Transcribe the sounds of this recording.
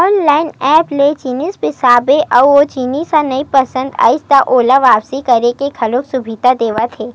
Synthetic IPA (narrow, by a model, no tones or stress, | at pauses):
ɔːnlaːɪnɛːplet͡ʃinispɪsaːbeʔɔːʋot͡ʃiːnisanɐipɐsə̃nd̪a̰ːɪst̪aʔoːlaʋaːpsikɐɾekekʰɐlofsʊbʱiːt̪ad̪eːʋat̪ʰeː